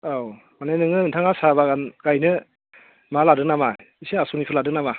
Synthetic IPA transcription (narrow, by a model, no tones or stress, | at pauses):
aw | manajnɯŋɯntʰaŋasabaɡanɡ̥ajnɯ | maladɯknama | isiasunipʰɯladɯknama